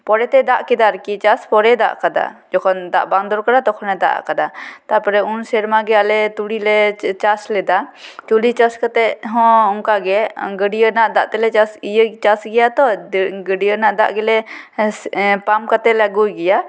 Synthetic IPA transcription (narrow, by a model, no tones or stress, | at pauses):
pɔɾɛt̪ɛd̪aʔkɛd̪aɾkit͡ʃaspɔɾɛd̪a̰ʔkad̪a̰d͡ʒɔkʰɔnd̪a̰ʔbaŋd̪ɔɾkəɾat̪ɔkʰɔnɛd̪a̰ʔkad̪at̪apɔɾɛunsɛɾmaɡɛalɛt̪ulilɛt͡ʃaslɛd̪at̪ulit͡ʃaskat̪ɛɦɔ̃uŋkaɡɛɡəɖijənaʔd̪aʔt̪ɛlɛt͡ʃasijət͡ʃasɡɛjat̪ɔɡəɖijənaʔd̪a̰ʔɡɛlɛ | pamkat̪ɛlaɡuɡɛja